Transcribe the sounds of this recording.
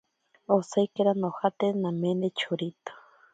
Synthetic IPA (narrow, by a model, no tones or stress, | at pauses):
osajkeɾanohat̪enamend̪et͡ʃʰuɾit̪o̥